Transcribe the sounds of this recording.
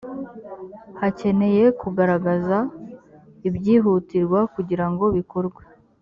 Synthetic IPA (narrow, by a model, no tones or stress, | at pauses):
hace̞ne̞je̞kuɡaɾaɡaza | ibɟiːɦutiɾɡwakuɟiɾaŋɡo̞βikoɾɡwe̥